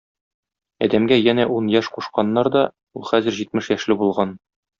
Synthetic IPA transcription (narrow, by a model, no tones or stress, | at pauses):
ɒ̰d̪æmɡæjænæʔunjæʃquʃqɑnːɑɾd̪ɒ | ulˠχæzɘ̆ɾʑit̪̚mɘʃjæʃlɘbulˠʁɑn